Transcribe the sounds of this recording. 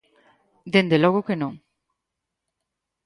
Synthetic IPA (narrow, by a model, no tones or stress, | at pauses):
d̪end̪elɔɣ̞okenõŋ